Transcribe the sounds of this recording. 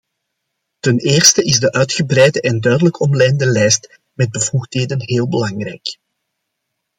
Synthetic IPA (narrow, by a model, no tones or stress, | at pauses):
təneːrstəʔɪzdəʔœɥtxəbrɛjdəʔɛndœɥdələkʰɔmlɛjndəlɛjst | mɛd̚bəvuxtɦeːdənɦeːlˠbəlɑŋrɛ̰jk